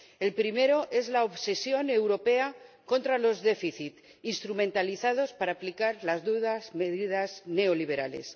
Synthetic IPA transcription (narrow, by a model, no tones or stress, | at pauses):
e̞lpɾime̞ɾo̞ʔe̞zlaoβse̞sjo̞ne̞wɾo̞pe̞ako̞nt̪ɾalo̞zðe̞fiθit̪ | inst̪ɾumẽ̞nt̪aliθað̞o̞spaɾaːplikaɾlazðuðasme̞ðiðazne̞o̞liβ̞e̞ɾa̰le̞̰s